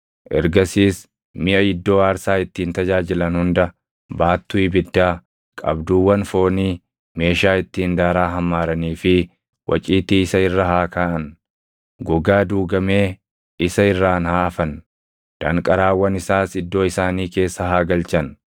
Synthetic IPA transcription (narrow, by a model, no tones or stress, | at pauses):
ʔɛ̰ɾɡɐsiːs | mɪʔɐɪd̪ːo̞ːaːɾsaːɪt̪ːiːnt̪ɐd͡ʒaːd͡ʒɪlɐnhʊnd̪ɐ | baːt̪ːuɪbɪd̪ːaː | kʼɐ̰bd̪uːwːɐnfo̞ːniː | me̞ːʃaːɪt̪ːiːnd̪aːɾaːɦɐmːaːɾɐniːfɪ | wʔɐ̰t͡ʃʼiːt̪iːɪsɐɪrːɐɦaːkaːʔɐn | ɡɔɡaːd̪uːɡɐmeː | ɪsɐɪrːaːnhaːɐfɐn | d̪̥ɐŋkʼɐɾaːwːɐnɪsaːsɪd̪ːo̞ːɪsaːniːke̞ːsːɐɦaːɡɐlt͡ʃɐn